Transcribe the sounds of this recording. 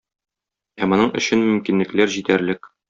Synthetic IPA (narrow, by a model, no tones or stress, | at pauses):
æmŏnɤɴɵ̆ɕɘnmɵ̆mkinlɘ̆klæɾʑit̪æɾlɘk